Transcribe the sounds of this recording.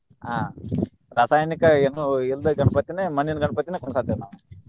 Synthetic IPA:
aː | ɾaːsaːjnikɐenuild̪ɐɡɐɳɐpɐt̪ːineːmɐninɡɐɳɐpɐt̪ːineːkɔɳsaːd̪eʋnaːʋu

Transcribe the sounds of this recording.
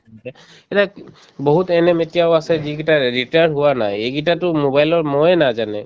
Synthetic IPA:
ɛ | ɛta | boɦutɛnɛmetijaʊasɛziɡitaɹitanɦʊwanajeɡitatʊmobajlɔɹmɔjnazanɛ

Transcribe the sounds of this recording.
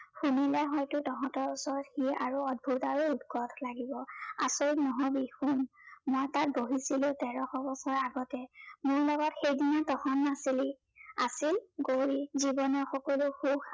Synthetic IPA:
xunilɛɦɔjtʊtɔɦɔ̃tɔɹusɔɹɔtxiaɹuɔd̚bʱutaɹuːdɡɔtlaɡibɔa̰soiknɔɦɔbixun | mɔjtat̚boɦisilʊtɛɹɔxɔbɔsɔɹaɡɔtɛmʊɹlɔɡɔtxejdinatɔxʰɔnːasili | asilɡoɹizibɔnɔxɔkɔluxux

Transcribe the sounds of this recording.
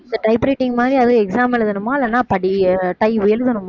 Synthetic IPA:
ɪɐʈɐɪpɾɐɪʈːɪŋɡɐmaːd̪ɾiɐðɯ̃ɛksaːmɐlɯðɐnɯmːaːɪlːɐnːaːpɐɽiʈɐɪʊjɛlðɐnɯmːa

